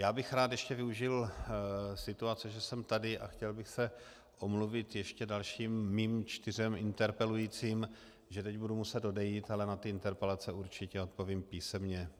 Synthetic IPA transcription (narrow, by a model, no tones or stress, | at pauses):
jaːbɪxɾaːt̪jɛʃcɛvɪuʒɪl | sɪt̪uat͡sɛʒɛsɛmt̪adɪʔa̰xcɛlbɪxsɛ | ʔo̞mluvɪt̪jɛʃcɛdalʃiːmːiːmt͡ʃt̪ɪr̝ɛmʔɪnt̪ɛɾpɛlujiːt͡siːm | ʒɛt̪ɛɟbudumusɛd̪do̞dɛjiːt̪alɛnat̪ɪɪnt̪ɛɾpɛlat͡sɛuɾt͡ʃɪcɛo̞t̪̚po̞viːmpiːsɛmɲɛ